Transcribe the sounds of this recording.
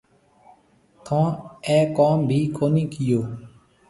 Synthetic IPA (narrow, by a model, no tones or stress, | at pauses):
t̪ʰãːɛːkaːmbʱiːkoːniːkɪjoː